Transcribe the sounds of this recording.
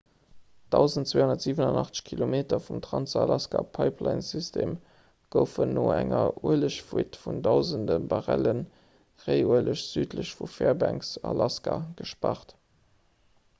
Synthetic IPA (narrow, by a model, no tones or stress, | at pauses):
d̥ɑʊzəntt͡sweːhondɐtz̥iːvənɑnɑχt͡sə̥ɕkʰilomeːtɐfumtʁɑnt͡sɑlɑskapʰɑɪpʰlɑɪnsystʰeːm | ɡ̥əʊfənːoːæŋɐʔuələɕfuətfundɑʊzəndəbɑʁælən | ʁeɪuələɕz̥yːtləɕfufeːɐbæŋksɑlʔɑskaɡ̥əʃpɑχt